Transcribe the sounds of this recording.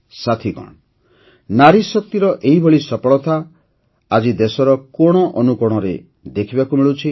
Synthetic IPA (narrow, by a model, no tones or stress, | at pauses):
sat̪ʰikɔ̰ɳ̃ | naɾisɔk̚t̪iɾɔʔeɦibʱɔɭisɔpɔɭɔt̪ʰa | ad͡ʒid̪esɔɾɔkɔɽ̃ɔʔɔnukɔɽ̃ɔɾe | d̪ekʰibakumiɭut͡ʃʰi